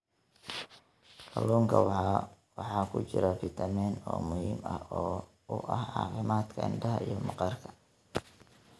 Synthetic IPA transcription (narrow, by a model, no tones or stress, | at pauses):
kʰɐluːŋkʰɐ | wɑħɑːkʰʊt͡ʃɪɾɐfɪt̪ʰɐmɛːnɔ̰ːmʊhiːmɐhɔː | ʊʔɐhʕɑ̰ːfɪmaːt̪kʰɐɪnɖɐɦɐʔijɞmɑqɑrkʰɐ̥